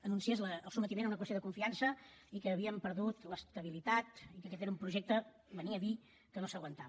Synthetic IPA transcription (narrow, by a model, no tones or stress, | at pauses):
ənunsiezləəlˠsumət̪imenunəkwəst̪joðəkuɱfiansəikəːβiəmpəɾðut̪ləst̪əβ̞ilit̪at̪ikəkɛt̪eɾəumpɾuʒek̚t̪ə | bəniəːði | kənosəɣwənt̪aβ